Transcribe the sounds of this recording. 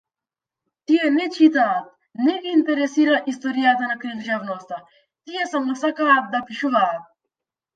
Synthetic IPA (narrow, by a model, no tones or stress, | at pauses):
t̪ijɛnɛt͡ʃit̪aːt̪̚ | nɛɡiːnt̪ɛɾɛsiɾaʔist̪ɔɾijat̪anakɾid̪ʒavnɔst̪a | t̪ijɛsamɔsakaːt̪̚d̪apiʃuvaːt̪̚